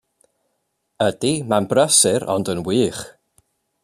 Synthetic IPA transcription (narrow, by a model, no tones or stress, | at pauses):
ədimanbrəsɪɾʔɔ̰ndənwiːχ